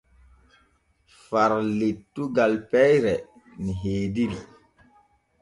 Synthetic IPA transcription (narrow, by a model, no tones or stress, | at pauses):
faɾlitːuɡalpɛjɾɛ | niɦeːdiɾi